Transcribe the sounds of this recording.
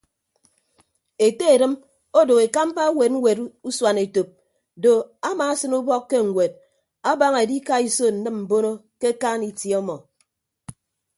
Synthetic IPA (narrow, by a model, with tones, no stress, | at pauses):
e˨te˦e˨ɾɨ˦m | o˦do˨ɣe˨ka˦m̩˦pa˦we˨t̩̚˦we˨tu˦swa˨ne˨to˨p̚ | do˨a˦maː˨a˦sɨ˦nu˦bɔ˦kːe˦ŋ̩˨ŋʷwe˨d̚ | a˦ba˦ŋe˨di˦ka˦i˦so˦˨n̩˨nɨ˦mm̩˨bo˦no˦ke˦kaː˦ni˨tjɔ˦mɔ˨